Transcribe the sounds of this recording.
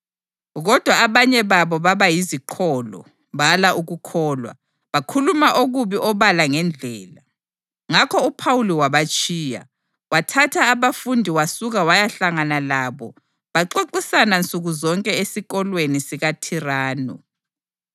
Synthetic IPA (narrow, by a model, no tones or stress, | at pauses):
ɣɔd̥ʱwaːβaɲɛβaβɔβaβajizikʰɔlɔ̰ | βalaʔuɣukʰɔːlwa̰ | βakʰulumaʔoɣuβiʔɔβalaŋɛnd͡ɮʱɛ̰ːla | ŋakʰɔupʰawuliwaβat͡ʃʼiːja̰ | watʰatʰaːβafundʱiwasuɣawajaɬaŋanalaːβɔ | βaǃoǃisanant͡sʼuɣuzɔŋkʼɛesiɣɔlwenisiɣatʰiraːnṵ